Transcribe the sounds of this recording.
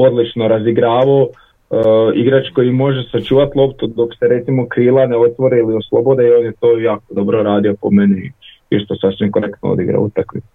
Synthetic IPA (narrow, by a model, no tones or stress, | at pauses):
o̞d̪lit͡ʃno̞ɾaziɡɾaːʋao | iɡɾat͡ʃko̞jimo̞ʒesat͡ʃuːʋat̪lˠo̞pt̪ud̪o̞kseɾe̞t̪simo̞kɾiːlˠaneo̞t̪ʋo̞ɾeilioslˠo̞bo̞d̪eio̞njet̪o̞ːjaːko̞d̪o̞bɾoɾaːd̪io̞pomeni | iʃt̪osasʋimko̞ɾe̞kt̪no̰o̰d̪iɡɾa̰ṵt̪aklḭ